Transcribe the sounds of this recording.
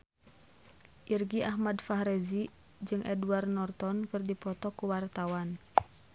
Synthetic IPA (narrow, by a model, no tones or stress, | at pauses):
ʔirɡiʔaɦmadfaɦɾɛzi | d͡ʒɨŋʔɛduarnɔrt̪ɔnkɨrdipɔt̪ɔkuwart̪awan